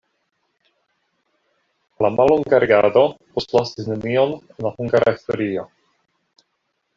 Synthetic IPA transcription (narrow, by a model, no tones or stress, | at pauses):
lamalːoŋɡaɾeɡado̞po̞slasisnemio̞nenlahuŋɡaɾaisto̞ɾio̞